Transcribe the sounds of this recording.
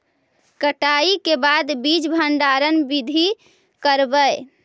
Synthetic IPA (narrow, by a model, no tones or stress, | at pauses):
kəʈaikebad̪bid͡ʒbʱəɳɖaɾənbid̪ʱi | kəɾbəj